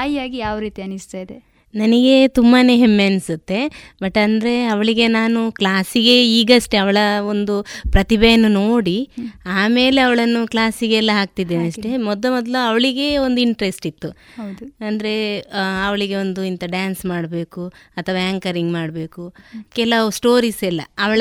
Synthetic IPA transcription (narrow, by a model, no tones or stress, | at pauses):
aːjaːɡijaːʋɾiːt̪iɐnist̪aːjd̪e | nɐniɡe̞t̪umbaːneːɦemːensɐt̪ːe̞bɐʈːɐnd̪ɐɾe̞ɐʋɐɭiɡe̞naːnuklaːsiɡe̞iːɡɐʂʈeɐʋɐɭɐond̪upɾɐt̪ibɛjɐnːuno̞ːɽiaːme̞ːle̞ɐʋɐɭɐnːuklaːsiɡeɛlːɐɦaːk̚t̪id̪ːeːniɐʂʈe̞mɔd̪lɐmɔd̪lɐɐʋɐɭiɡe̞ond̪uiɳʈɾesʈit̪ːu | ɐnd̪ɐɾe̞ɐʋɐɭiɡe̞ond̪uint̪ɐɖaːnsmaːɽbe̞ːkuɐt̪ʰːɐʋaːaːŋkɐɾiŋɡmaːɽbe̞ːkukɛlɐsʈo̞ːɾiːsɛlːɐ̰ɐʋɐɭɐ